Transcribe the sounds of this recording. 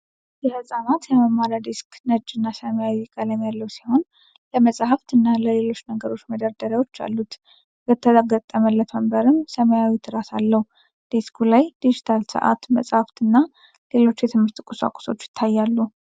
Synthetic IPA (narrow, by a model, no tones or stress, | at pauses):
jɛhəsʼanat̪jɛməmːaɾad̪isknəd͡ʒːɨnːasəməjawikʼələmjalːəwsiho̞n | ləməsʼahaft̪ɨnːaləle̞lo̞t͡ʃːnəɡəɾo̞t͡ʃːməd̪əɾd̪əɾawo̞t͡ʃːa̰lːut̪ | bət̪ʰːəɡət̪ʼːəməlːət̪məmbəɾɨmsəməjawit̪ʰɨɾasalːəhu | d̪̥eskʰulajd̪̥id͡ʒɪt̪ʰalsə̰ʔa̰t̪mə̰sʼhaft̪ɨnːa | le̞lo̞t͡ʃːjɛt̪ʰɨmhɨɾt̪ɨkʼusa̰kʼu̥so̞̰t͡ʃːjɪ̥t̪ʰːajːalːu